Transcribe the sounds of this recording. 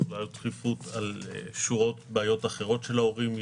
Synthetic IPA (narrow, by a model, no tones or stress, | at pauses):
lajotχifut̪al̰ʃuʁo̞t̪beajo̞t̪aχe̞ʁo̞tʃe̞lao̞ʁim